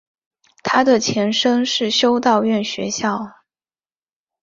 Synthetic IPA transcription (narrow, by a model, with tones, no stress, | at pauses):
t̪ʰa˥d̪ə˨t͡ɕʰjɛ˧˥nʂɤ˥ŋʂɻ̩˥˩ɕjo˥ʊt̪ɑ˥˧ʊɥɛ˥˩nɕɥɛ˧˥ɕjɑ˥˩ʊ